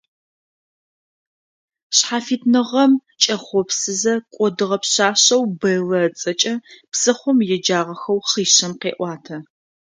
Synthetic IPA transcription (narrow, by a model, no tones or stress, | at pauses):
ɕħaːfiːtnɨʁɐm | t͡ʃʼɐχʷɔpsɨzɐkʷʼɔdɨʁɐpɕaːɕɐwbɐlɐt͡sʼɐt͡ʃʼɐpsɨχʷʊmjɛd͡ʒaːʁɐxɐwχiːɕɐmqḛːʔʷɑːtʰɐ